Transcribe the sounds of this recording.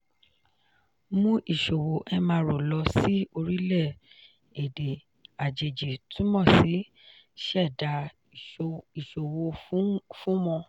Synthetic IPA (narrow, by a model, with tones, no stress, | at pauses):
mũ˦ʔi˦˨ʃo˨wo˨ʔɛ˧mã˧ɾo˨lɔ˧si˦o˧ɾi˦lɛ˦˨ | e˨de˨ | a˨d͡ʒe˨d͡ʒi˨tʰũ˨˦mɔ̃˦˨si˨˦ | ʃɛ˦˨da˧˦ | i˨ʃo˨wo˧fũ˦mɔ̃˧